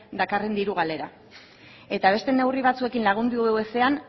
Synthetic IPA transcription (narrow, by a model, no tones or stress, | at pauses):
d̪akare̞nd̪iɾuɣ̞ale̞ɾa | e̞t̪aβ̞e̞st̪e̞ne̞wriβ̞at͡sue̞kinlaɣ̞und̪ueese̞an